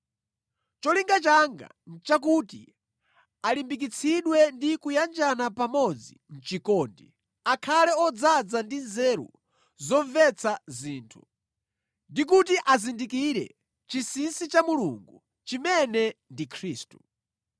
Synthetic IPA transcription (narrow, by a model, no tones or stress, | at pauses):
t͡ʃɔliŋɡat͡ʃaŋɡa̰ | nt͡ʃak̬utḭ | alimbik̬it͡sʰiɗwɛndikujand͡ʒanapamɔd͡zin̩t͡ʃikɔːndi | akʰalɛɔd͡zad͡zandinzɛɾṵ | zɔɱvɛt͡sʰaziːntʰu | ndik̬utiʔazindikiɾɛ̰ | t͡ʃisinsit͡ʃamuluŋɡu | t͡ʃimɛnɛndikʰɾiːstu